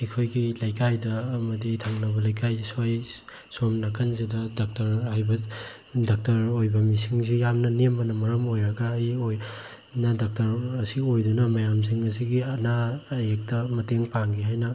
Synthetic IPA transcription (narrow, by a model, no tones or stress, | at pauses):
ikʰojɡilajkajdɐːmɐditʰaŋnɐbɐlajkʰajsaj | somnakʰɐnzidɐdak̚tɐɾhajbɐ | dak̚tɐɾojbɐmisiŋzijamnɐnembɐnɐmɐɾɐmojɾɐɡaːjoj | nadak̚tɐɾɐsiojdunɐmɐjams̬iŋɐsiɡiɐnaːjek̚tɐmɐteŋpaŋɡiɦajnɐ